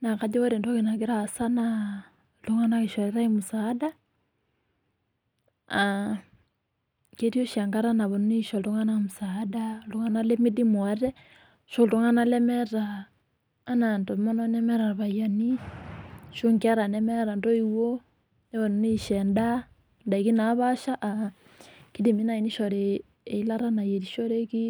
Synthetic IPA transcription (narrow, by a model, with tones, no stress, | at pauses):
na˨ka˨d͡ʒɛ˦wa˦ɾe˨nda˦ki˨na˨ɡi˦ɾa˦˨sa˦na | lu˦ŋa˦na˦ki˨ʃɔ˨ɾɛ˦ɾa˦imu˨sada˦ | a | ke˦ɾi˦o˦ʃa˨ŋɡa˦ɾa˦na˨βɔ˨nu˦ni˦ʃɔ˨llu˦ŋa˦namu˨sada˦u˨ŋa˦na˦le˦mi˦di˦mwa˦ɾɛ˦ | ʃo˦˨lu˨˦ŋa˦na˦lɛ˦mɛ˦ɾaː˨˦ | na˨ntɔ˨˦mɔ˦nɔ˦nɛ˦mɛ˦ɾa˨βa˨ja˨ni˦ | ʃo˦ŋki˦a˦ɾa˨nɛ˦mɛ˦ɾa˨ndɔ˦i˨wo˦ | ne˦βɔ˨nu˨ni˦˨ʃɛ˨nda˦ | nda˨i˨ki˦na˨˦βa˦ʃa˦ʔa˨ | ki˦di˨mi˦na˨i˨ni˦ʃɔ˨ɾeː˨ | i˦la˦ɾa˦na˨je˨ɾi˨ʃɔ˦ɾe˦ki˦